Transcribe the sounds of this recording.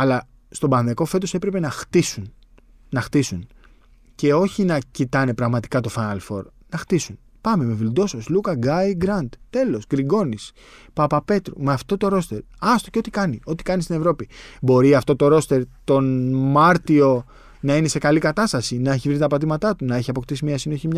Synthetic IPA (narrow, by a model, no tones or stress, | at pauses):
ɐlɐ | st̪o̞bɐnðeko̞fe̞t̪o̞se̞pɾe̞pe̞nɐxt̪isun | nɐxt̪isun | ce̞o̞çinɐcit̪ɐne̞pɾɐɣmɐt̪i̥kɐt̪o̞fɐnɐlfo̞̰ɾ | nɐxt̪isun | pɐme̞me̞vilud̪o̞soslukɐɡɐiɡɾɐnd̪t̪e̞lo̞sɡɾiɡo̞nis | pɐpɐpe̞t̪ɾumeɐft̪o̞t̪o̞ɾo̞st̪e̞ɾ | ɐst̪o̞ceo̞t̪ikɐnio̞t̪i̥kɐnist̪ine̞vɾo̞pibo̞ɾiɐft̪o̞t̪o̞ɾo̞st̪e̞ɾt̪o̞nmɐɾt̪io̞ | nɐine̞se̞kɐlikɐt̪ɐst̪ɐsinɐe̞çivɾit̪ɐpɐt̪imɐt̪ɐt̪unɐe̞çiɐpo̞kt̪isimɲɐsino̞çimɲ